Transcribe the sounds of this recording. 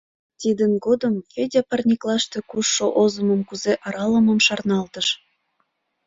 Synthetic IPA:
t̪id̪ənɡod̪əmkʲødʲɑpɑrnʲiklɑʃt̪ekuʃːoʔozəmə̆mkuzeʔɑɾɑləmə̆mʃɑrnɑlt̪əʃ

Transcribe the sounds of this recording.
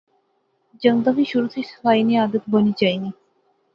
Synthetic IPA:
d͡ʑəŋd̪abiʃuɾut̪ʰesfajniad̪ət̪bənid͡ʑajni

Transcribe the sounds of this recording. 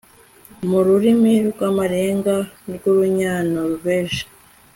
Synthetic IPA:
muɾuɾimiɾɡamaɾeːŋɡaɾɡuɾuɲaːnoɾuβeːʃḁ

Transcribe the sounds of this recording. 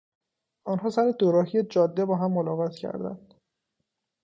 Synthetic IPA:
ʔɒːnɦɒːsæɾed̪oɾɒːɦijed͡ʒɒːd̪ːe̞bɒːɦæmːolɒːɣɒt̪ʰcʰæ̰ɾd̪æ̰nd̪̥

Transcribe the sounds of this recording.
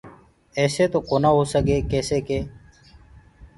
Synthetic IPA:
eːseːt̪oːkoːnaːɦoːsəɠeːkeːseːkeː

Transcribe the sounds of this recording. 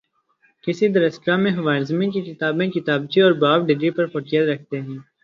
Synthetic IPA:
kɪsid̪ɐɾɐsʈɾãmẽɦʊʋaːɪɾzmĩkikɪt̪aːbẽkɪt̪aːbt͡ʃiɔːɾbaːʋɖɪɡɾipɐɾfɐʈijət̪ɾɐk̚ʰt̪eɦɛ̃ː

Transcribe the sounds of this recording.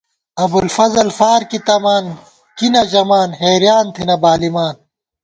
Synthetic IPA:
ɐbulfɐzɐlfaːɾkit̪ɐmaːn | kinɐd͡ʑɐmaːnɦeːɾjaːnt̪ʰinɐbaːlimaːn

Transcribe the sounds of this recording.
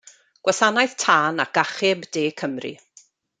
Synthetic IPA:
ɡ̥wʔasanajðtʰaːnaɡ̥aχɪbd̥eːkʰəmrḭ

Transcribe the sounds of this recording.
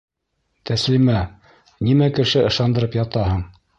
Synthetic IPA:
t̪æslimæ | nimækɘ̆ʃɘɤ̆ʃɑnd̪ɤ̆ɾɤpjɑt̪ɑɦɤɴ

